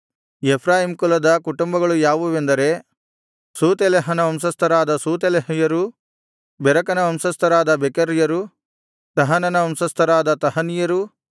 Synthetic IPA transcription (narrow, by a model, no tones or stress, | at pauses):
epʰɾaːjimkulɐd̪ɐkuʈumbɐɡɐɭujaːʋuʋend̪ɐɾe̞ | suːt̪eleɦɐnɐɐmsɐst̪ʰɐɾaːd̪ɐsuːt̪eleɦɐjɐɾu | bɛɾɐkɐnɐɐmsɐst̪ʰɐɾaːd̪ɐbekɐɾjɐɾu | t̪ɐɦɐnɐnɐɐmsɐst̪ʰɐɾaːd̪ɐt̪ɐɦɐnijɐɾu